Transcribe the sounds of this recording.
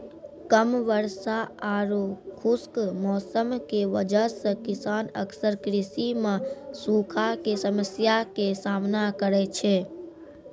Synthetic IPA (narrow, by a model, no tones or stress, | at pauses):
kəmʋəɾsaaɾokʰuskmɔːsəmkeʋəd͡ʒəsə̃kisaːnə̰ksəɾkɾisimãsukʰakesəməsjakesaːmnakəɾɛt͡ʃʰɛ